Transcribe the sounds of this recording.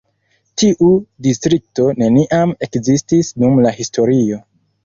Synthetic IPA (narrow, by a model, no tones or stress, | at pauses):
tiʔudistɾik̚to̞ne̞niʔame̞kzistisnumlahisto̞ɾio̞